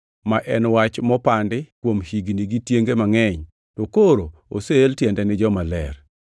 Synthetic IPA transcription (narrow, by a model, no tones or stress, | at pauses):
maʔɛnwat͡ʃmɔpandɪkwomhiɡniɡitjeŋɡemaŋɛɲ | tokoɾoo̰seːltjɛndɛnɪd͡ʒɔmalɛ̰r